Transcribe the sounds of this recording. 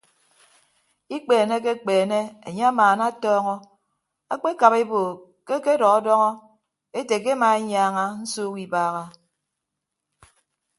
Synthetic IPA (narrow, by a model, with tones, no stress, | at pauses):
i˦k͡peː˨ne˦ke˦k͡peː˨ne˦e˨ɲe˦a˦maː˨na˦tɔː˦ŋɔ˦ | a̰˦k͡pe˦ka˨βe˦boː˨ | ke˦ke˦dɔ˨ɣɔ˦dɔ˦ŋɔ˦ | e˦te˨k̬e˦ma˨e˦ɲ˦aː˦ŋa˦n̩˦suː˦ki˨baː˦ɣa˦